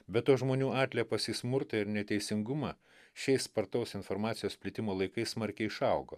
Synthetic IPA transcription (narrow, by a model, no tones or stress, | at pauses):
bʲɛt̪toːʒmoːnʲuːɑːt̪ʲlʲɛposʲismʊɾt̪ɐɪɾnʲɛt̪ʲɛɪsʲɪŋɡʊmɑː | ʃʲɛɪsspɐɾt̪ɐʊsɪnfoːɾmɑːt̪sʲɪjoːsʲpʲlʲɪt̪ʲɪmoːlˠɐɪkɐɪsmɐɾʲkʲɛɪɪʃɐʊɡoː